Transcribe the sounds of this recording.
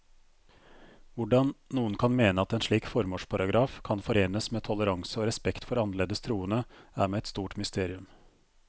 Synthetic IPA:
ʋʊɖɑnnuːənkʰɑnmeːnəɑt̪ɛːnʂɭiːkfɔɾmoːʂpʰɑɾɑɡɾɑːfkʰɑnfɔɾeːnəsmeːt̪ʰɔləɾɑŋsəoːɾɛspɛkt̪fɔɾɑnəɭeːd̪əst̪ʰɾuːənəæ̰ːɾmeːɛt̪st̪uːʈmʏst̪eːɾɪʉm

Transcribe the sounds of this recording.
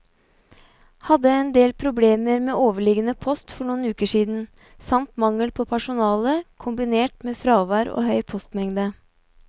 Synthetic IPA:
hɑd̪əɛnd̪eːlpʰɾʊbleːməɾmeːʔoːʋəɭɪɡənəpʰɔst̪fɔɳuːnʉːkəʂiːd̪n̩ | sɑmt̪mɑŋːəlpʰɔpʰæʂʊnɑːləkʰʊmbɪneːʈmeːfɾɑːʋɑːɾo̰ːhœʏpʰɔst̪mɛŋd̪ə

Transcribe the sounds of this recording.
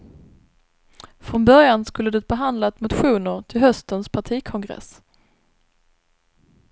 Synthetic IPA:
fɾɔnbœɾjanskɵlːəd̪ɛt̪̚bɛɦand̪lat̪mʊt̪ɧuːnəɾʈʰɪlɦœst̪ənspʰaʈʰiːkʰɔŋɡɾɛ̰s

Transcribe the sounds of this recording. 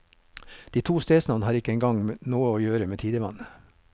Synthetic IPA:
d̪̥iːt̪ʰuːst̪eːsnɑʋnəhɑːɾɪkəɛŋɡɑŋnoːəoːjøːɾəmeːt̪ʰiːd̪əʋɑnə

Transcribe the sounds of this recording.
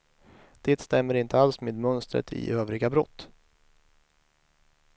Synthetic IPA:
d̪̥eːt̪st̪ɛmːəɾɪnt̪ʰəalsmeːd̪mœnst̪ɾə̰t̪ʰɪ̰ʔøːvɾɪɡabɾɔt̪ː

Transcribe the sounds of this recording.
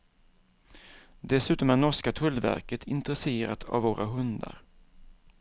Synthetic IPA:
d̪ɛsʉ̟ːt̪ɔmænɔʂkat̪ʰɵlːvæ̰ɾkət̪ʰɪnt̪ɾɛseːɾa̰t̪ʰa̰vːoːɾʔaɦɵnd̪a̰ɾ

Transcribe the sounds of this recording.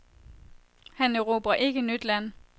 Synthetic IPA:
hænøʁo̝ːb̥ɐʔe̝ɡ̥ənyd̥læn̰

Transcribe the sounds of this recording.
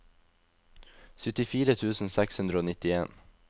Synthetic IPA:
sʏt̪ɪfiːɾət̪ʰʉːsn̩sɛkshʉnd̪ɾəoːnɪt̪ɪeːn

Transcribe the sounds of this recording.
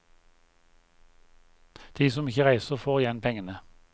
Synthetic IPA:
d̪̥iːsɔmɪçəʁæɪsəʁfoːʁɪjɛnpʰɛŋənə

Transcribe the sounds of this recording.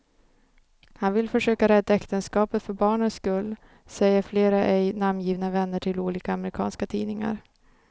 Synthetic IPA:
hanvɪlfœʂøːkaɾɛd̪ːaɛkt̪ənskɑːpət̪fœɾbɑːɳənskɵlː | sɛjːəɾfleːɾaʔɛjnamːjiːvnavɛnːəʈʰɪluːliːkaːmɛɾɪkʰɑ̰ːnskat̪ʰiːnɪŋa̰ɾ

